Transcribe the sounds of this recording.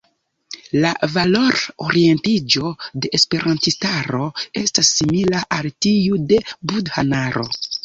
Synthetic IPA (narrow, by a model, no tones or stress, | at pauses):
lavalo̞ɾoɾie̞ntid͡ʒo̞de̞ʔespe̞ɾʔantistaɾo̞e̞stasːimilaʔaltiude̞budhanaɾo̞̰